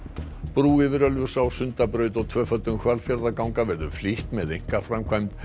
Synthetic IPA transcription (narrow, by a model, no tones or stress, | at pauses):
pɾuːɪvɪɾœlvʏ̥sawsʏnt̪apɾœːɥt̪ɔwt̪ʰv̥œːfœt̪ːʏmkʰvalfjaɾðakawŋkavɛɾðʏfliht̪mɛðejŋ̥kafɾamkʰvajmt̪